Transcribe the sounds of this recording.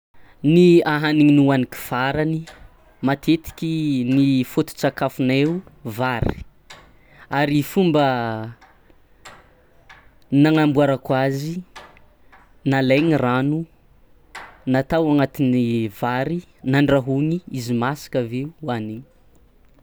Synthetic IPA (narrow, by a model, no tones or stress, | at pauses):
niaɦaniŋinuwaniki̥v̥aɾani | mat̪ʰet̪i̥kʲinifot̪u̥t͡sakafuneuvaɾḭ | aɾifumbə | naŋambuaɾakwazi | naleɲiranu | nat̪awaŋat̪inivaɾi | naɳɖ͡ʐaɦuɲiizimasi̥kaveuaniŋ